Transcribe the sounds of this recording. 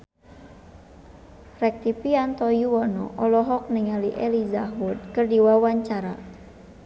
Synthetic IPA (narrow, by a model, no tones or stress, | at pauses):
rɛk̚t̪ipiant̪ɔjuwɔnɔ̰ʔɔlɔɦɔk̚nəŋaliʔɛlizaɦud̪̚kɨrdiwawaɲt͡ʃaɾa